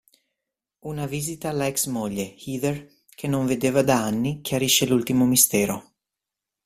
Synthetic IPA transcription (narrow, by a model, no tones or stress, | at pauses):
unaviːzit̪aːlaɛksmoʎːehiːd̪er | kʰenoɱved̪eːvad̪aanːik̟ʰjaɾiʃelult̪imomist̪ɛːɾo